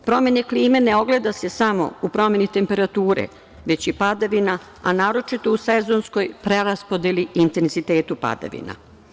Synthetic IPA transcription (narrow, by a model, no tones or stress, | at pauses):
pɾo̞menekliːme̞neo̞ɡle̞d̪ase̞samo̞̰upɾo̞me̞nit̪e̞mpe̞ɾat̪uːɾḛ | ʋe̞t͡ɕjepad̪aʋina | anaːɾo̞t͡ʃit̪o̞usezo̞nsko̞jpɾeɾaspo̞d̪eliint̪e̞nzit̪eːt̪upa̰d̪a̰ʋḭna̰